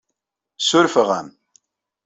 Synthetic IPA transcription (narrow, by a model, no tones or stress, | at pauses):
sʊɾfəʁa̰m